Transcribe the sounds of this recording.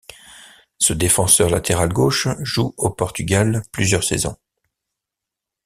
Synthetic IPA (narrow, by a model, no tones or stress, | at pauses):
səd̪efɑ̃sœʁlat̪ʰeʁalɡoʃʒuopɔʁt̪yɡʲalplyzjœʁsḛzɔ̰̃